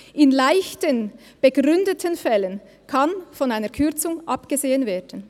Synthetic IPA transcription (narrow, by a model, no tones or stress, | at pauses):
ʔɪnlaɪçtən | b̥əɡʁʏndətʰənfɛlən | kʰanfɔnaɪnəɐkʰʏɐt͡sʊŋʔapɡ̥əzeːənveːdən